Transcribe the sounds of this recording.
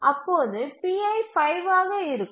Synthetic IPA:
ʔɐpːoːðɯpiːɐɪfɐɪʋaːɣɐɪɾɯkː

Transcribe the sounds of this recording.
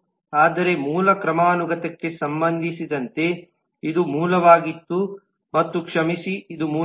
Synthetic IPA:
aːd̪ɐɾe̞muːlɐkɾɐmaːnuɡɐt̪ɐkːe̞sɐmbɐnd̪ʱisid̪ɐnt̪e̞ | id̪umuːlɐʋaːɡit̪ːu | mɐt̪ːukʂɐmisiid̪umuː

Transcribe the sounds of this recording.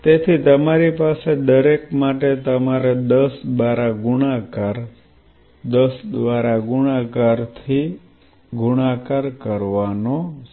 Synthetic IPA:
t̪et̪ʰit̪əmaɾipased̪əɾekmaʈet̪əmaɾed̪əsd̪ʋaɾaɡuɽakaɾ | d̪əsd̪ʋaɾaɡuɽ̃akaɾt̪ʰi | ɡuɽ̃akaɾkəɾʋano

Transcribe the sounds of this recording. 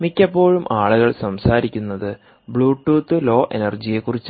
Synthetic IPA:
mikʲːɐpːo̞ːɻumʔaːɭuɣɐɭsɐmsaːɾikʲːunːɐðɨ | bɭuːʈːuːt̪ːɨlo̞ːʔenɐrd͡ʑije̞kːurit͡ɕː

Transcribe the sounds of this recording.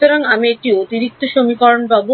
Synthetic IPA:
t̪oɾaŋamiek̚ʈiot̪iɾik̚t̪oʃomikɔɾonbabo

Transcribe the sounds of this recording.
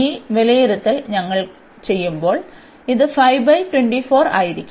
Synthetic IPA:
iːʋelɐjiɾut̪ːilɲɐŋːɐɭ | t͡ɕe̞jːumbo̞ːɭ | iðɨfɐjbɐjʈweɳɖifo̞ːɾa̰ːjiɾikʲːu

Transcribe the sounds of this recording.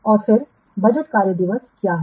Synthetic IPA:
ɔːɾfɪɾ | bɐd͡ʒəʈkaːɾjəd̪ɪʋəskjaːɦɛ

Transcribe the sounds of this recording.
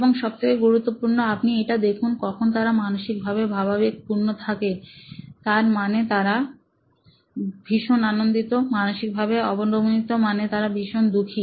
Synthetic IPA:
eboŋʃɔb̚t̪ʰekeɡuɾut̪ːopuɾnoapniejʈad̪ekʰunkɔkʰont̪aɾamanoʃik̚bʱabebʱabʱabik̚puɾnot̪ʰaket̪aɾmanet̪aɾa | bʱiʃonanond̪it̪omanoʃik̚bʱabeɔbonɾobonit̪omanet̪aɾabʱiʃond̪ukʰi

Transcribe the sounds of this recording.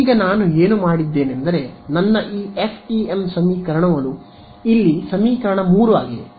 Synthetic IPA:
iːɡɐnaːnue̞ːnumaːɽid̪ːe̞ːnend̪ɐɾe̞nɐnːɐʔiːepʰʈiemsɐmiːkɐɾɐɳɐʋɐlu | ilːisɐmiːkɐɾɐɳɐmuːɾuʋa̰ːɡid̪e

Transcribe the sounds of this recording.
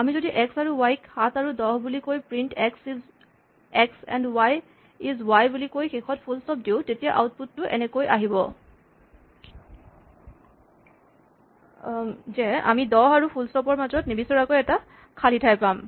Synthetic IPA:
amizodiʔɛksaɹuwajkhatʰaɹudɔɦbulikojpɹintɛksiz | ɛksɛ̰ndwaj | izwajbulikojxekʰɔtpʰulstɔp̚diʊ̃tetijaʔa̰wt̚putːʊʔɛ̰nɛkojʔaɦibɔ̰ | zɛa̰midɔɦaɹupʰulstɔpɔɹmazɔtnibisɔɹakojɛta | kʰalitʰajpam

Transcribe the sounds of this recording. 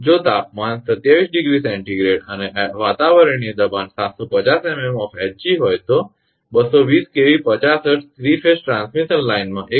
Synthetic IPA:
d͡ʒoːt̪aːp̚mãːnsət̪jaʋiːsɖɪɡɾisɛ̃ɳʈiɡɾeːɖəneʋaːt̪aʋəɾəɳ̃id̪əbaːnsaːt̪sɔpət͡ʃaːsememɔːfɛt͡ʃiɦoːjt̪o | bəsɔʋiːskeʋipət͡ʃaːsəʈʰt̪ʰɾifʰesʈɾãnsmiʃənlaɪnmãʔe

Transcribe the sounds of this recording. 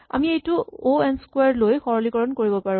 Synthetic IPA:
a̰miejtuoɛnskwaɹlojxɔɹɔlikɔɹɔnkoɹibɔpaɹũ

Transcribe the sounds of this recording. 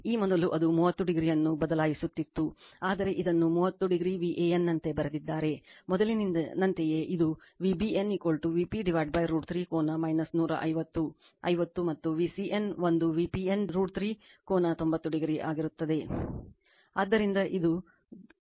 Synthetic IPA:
iːmɔd̪ɐluʔɐd̪umuːʋɐt̪ːuɖiɡɾijɐnːubɐd̪ɐlaːjisut̪ːit̪ːuaːd̪ɐɾe̞ʔid̪ɐnːumuːɐt̪ːuɖiɡɾiːʋiʔeenːɐnt̪e̞bɐɾed̪id̪ːaːɾe̞mɔd̪ɐlinnɐnt̪eje̞ʔid̪u | ʋibienikoːlʈuʋipiɖiʋaːɖ̚bɐjɾuːɖt̪ʰɾiːkoːnɐmɐjnɐsnuːɾɐ̰ʔɐ̰jʋɐt̪ːu | ɐ̰jʋɐt̪ːumɐt̪ːuʋisiʔenʋond̪uʋiːpienɾuːɖt̪ɾiː | koːnɐt̪o̞mbɐt̪ːuɖiɡɾiʔa̰ːɡiɾut̪ːɐd̪e̞ | aːd̪ːɐɾind̪ɐʔid̪u

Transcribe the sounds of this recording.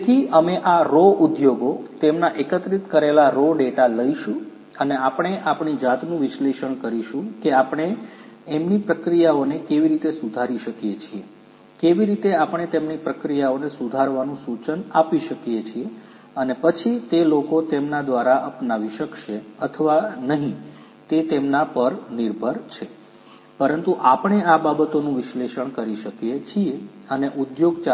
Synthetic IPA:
t̪ʰiəmeʔaɾoʔud̪joɡot̪emnaʔekət̪ɾit̪kəɾelaɾoɖeʈaləiʃũ | əneapəɳ̃eʔapɳid͡ʒat̪nũʋɪʃleʃəɳkəɾiʃũkeapɳ̃eːmnipɾəkɾijaonekeʋiɾit̪esud̪ʱaɾiʃəkijet͡ʃʰie | keʋiɾit̪eapəɳ̃et̪emnipɾəkɾijaonesud̪ʱaɾʋanũsut͡ʃənapiʃəkjet͡ʃʰie | ənepət͡ʃʰit̪elokot̪emnad̪ʋaɾaʔəpnaʋiʃəkʃeət̪ʰəʋanəɦĩ | t̪et̪emnapəɾniɾbʱəɾt͡ʃʰe | pəɾənt̪uʔapəɳeababət̪onũʋɪʃleʃəɳkəɾiʃəkjet͡ʃʰieəneʔud̪joɡt͡ʃa

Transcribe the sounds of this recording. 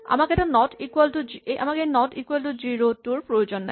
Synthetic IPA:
a̰makeɛʈanɔʈikwalʈud͡ʑeʔa̰makenɔʈikwalʈud͡ʑiɾotuɾpɾojod͡ʑonːa̰

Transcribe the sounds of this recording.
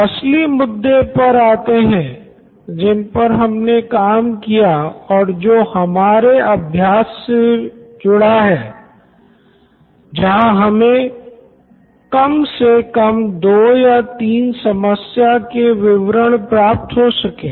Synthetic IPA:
ɐslimʊd̪ːepɐɾaːt̪eɦɛ̃ | d͡ʒɪnpɐɾɦɐmnekaːmkijaɔːɾd͡ʒoːhɐmaːɾeɐbʱjaːsːed͡ʒʊɽaɦɛː | d͡ʒɐɦãɦɐmẽ | kɐmsekɐmd̪oːjat̪iːnsɐməsjakeʋɪʋɾəɽ̃pɾaːp̚t̪ɦosɐkẽː

